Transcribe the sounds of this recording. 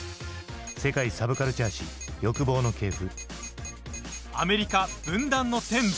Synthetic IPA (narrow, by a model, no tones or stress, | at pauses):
se̞kaisabɯ̟kaɾɯ̟t͡ɕaːɕijo̞kɯ̟bo̞ːno̞ke̞ːɸɯ̟ | ame̞ɾʲikab̥ɯ̟̃nd̪ãnːot̪ẽ̞m